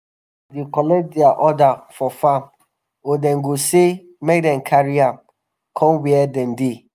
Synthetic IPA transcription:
dikɔlɛd͡ʒdɪaʔɔdafɔfãm | odɛ̃nɡose | mek̚dɛ̃nkʰaɹiãm | kʰɔ̃mwiɛdɛ̃nde

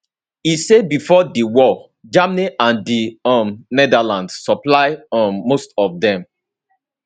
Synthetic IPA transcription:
isebifɔdiwɔ | d͡ʒamniʔãndiɔmnɛdalãndssɔplaɪɔːostɔfdɛ̃m

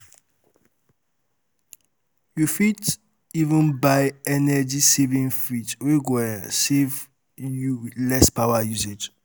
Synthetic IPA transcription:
jufit | ivə̃nbajɛnɛd͡ʒisevĩŋfitwiɡwɛsev | julɛspawajused͡ʒ

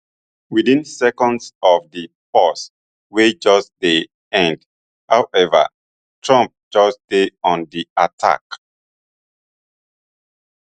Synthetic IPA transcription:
widĩnsɛkɔ̃ndsɔvðipɔs | wed͡ʒɔsd̥e | ɛ̃nd | hawʔɛvə̰ | tʰɹãmp̚d͡ʒɔsd̥eɔ̃ndiatʰa̰k

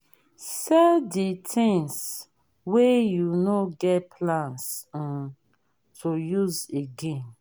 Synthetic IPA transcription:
sɛditʰĩŋs | wejunoɡɛtpʰlãns | tʰojuzeɡẽm

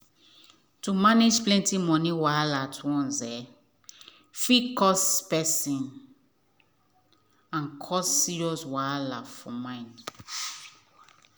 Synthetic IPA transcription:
tumanid͡ʒplɛ̃ntimɔ̃niwalatʰuwɔ̃nzɛ | fikɔspɛsĩn | ãnkʰɔsːiɹiɔswalafɔmãɪ̃nd

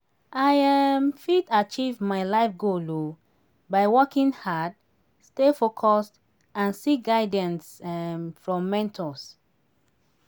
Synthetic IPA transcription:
ʔajamfitat͡ʃivmalaɪfɡolo | baɪwɔkĩnhad | stefokʰɔst | ãnsiɡaɪdɛ̃nsmfɹɔ̃mːɛ̃ntʰɔs

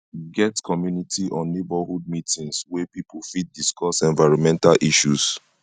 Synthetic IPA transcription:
ɡɛtkʰɔmjunitiʔɔ̃nːebahud̚mitĩŋswɛpipulfit̚diskɔsɛ̃nvaɹɔ̃nmɛ̃ntalʔiʃus

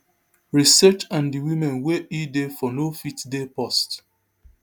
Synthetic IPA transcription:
ɹisɛt͡ʃãndiwimɛ̃nweidefɔnofitdepɔst

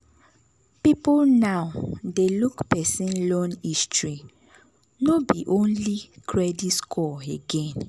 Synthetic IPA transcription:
pipolnaʊdelukpɛsĩnlɔ̃nistɹi | nobiʔõnlikʰɹɛditskʰɔeɡɛ̃n

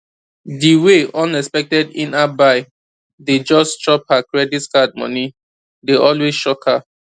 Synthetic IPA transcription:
diweɔ̃nɛspɛk̚tɛdḭ̃nabaɪ | ded͡ʒɔst͡ʃɔp̚hakɹɛditskad̚mɔ̰ni | deʔɔlwesʃɔkʰha

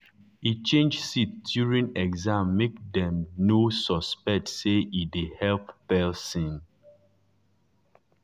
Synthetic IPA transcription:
it͡ʃẽnd͡ʒsitdjuɹĩnɛɡzãmːek̚dɛ̃mnosɔspɛk̚tseidihɛlppɛsĩn

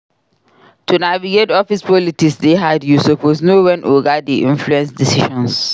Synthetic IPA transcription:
tʰunaviɡetɔfispɔlitiksdeɦadjusoposnowɛ̃nʔoɡadiʔḭ̃nfluɛ̃nsdisiʃɔ̃ns

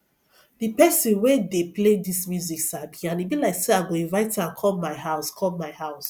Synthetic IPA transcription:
dipɛsĩnwedepledismjuziksabiãnibilaɪkseaɡoĩnvaɪtãnkʰɔlmaɪɦaʊskʰɔlmaɪhaʊs

